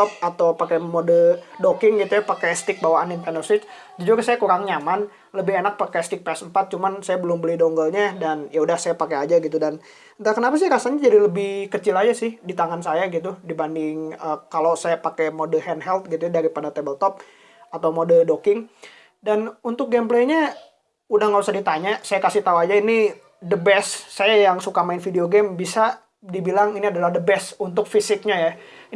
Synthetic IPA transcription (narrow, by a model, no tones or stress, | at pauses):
ɔp̚at̪awpakɛmodədokɪŋɡit̪ujapakɛst̪ɪk̚bawaːninpɛnərsɪt͡ʃ | d͡ʒud͡ʒuɾusajakuɾaŋɲaman | ləbɪɦenak̚pakɛst̪ɪk̚peɛsəmpat̪̚t͡ʃumansajabəlʊmbəlɪhdoŋɡəlɲadanjʔaudahsajapakead͡ʒaɡit̪udan | t̪akənapas̬ɪhɾasaɲad͡ʒadiləbɪhkət͡ʃɪlad͡ʒasɪhdit̪aŋansajaɡit̪udibandɪŋəkalosajapakɛmodəhɛnɦɛlt̪̚ɡit̪uadaɾipadat̪ebəlt̪ɔp̚ | at̪awmodədokɪŋ | danunt̪ʊk̚ɡɛmplejɲa | udahŋabisadit̪aɲasajakasɪht̪auad͡ʒaini | dəbɛssajajaŋsukamaɪnfideoɡɛmbisa | dibilaŋiniadalahdəbɛsunt̪̬ʊkfisɪk̚ɲaja